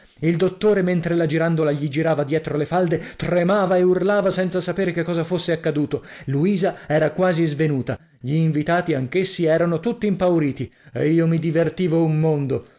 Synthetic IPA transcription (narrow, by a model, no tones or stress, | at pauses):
ild̪ot̪ːoːɾement̪ɾelad͡ʒiɾand̪olaʎid͡ʒiɾaːvad̪jɛːt̪ɾolefald̪et̪remaːvaeurlaːvasɛnt̪sasapeːɾekekːɔːzafosːeakːad̪uːt̪oluiːzaɛːɾakwaːzizvenuːt̪a | ʎiːɱvit̪aːt̪iaŋk̟esːiɛːɾanot̪ut̪ːiːmpawɾiːt̪iḛiːomid̪ivert̪iːvoumːond̪o